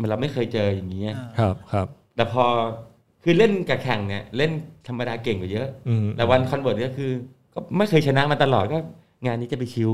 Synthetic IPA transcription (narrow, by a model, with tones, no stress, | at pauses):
ma˧˦nɾa˧wma˥˩jkʰɤː˧jt͡ɕɤː˧ja˨˩ŋːiː˦˥ʔa˨˩kʰa˦˥p̚kʰa˦˥p̚t̪ɛː˨˩pʰɔː˧ | kʰɯː˧le˥˩nka˨˩kʰɛ˨˩ŋni˥˩ɐle˥˩nt̪ʰa˧mːa˧daː˧ke˨˩ŋka˨˩jɤ˦˥ʔt̪ɛː˨˩wa˧nkʰɔ˧nbɤː˨˩t̪̚ni˥˩kʰɯː˧ | kɔː˥˩ma˥˩jkʰɤː˧jt͡ɕʰa˧na˦˥ma˧t̪a˧lɔː˨˩kɔː˥˩ | ŋaː˧nːi˦˥t͡ɕa˨˩pa˧jkʰi˦˥w